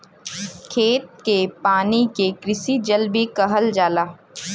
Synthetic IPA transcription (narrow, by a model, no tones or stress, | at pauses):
kʰeːt̪̚kepaːnikekɾɪsid͡ʒəlbʱikɐɦəld͡ʒaːlaː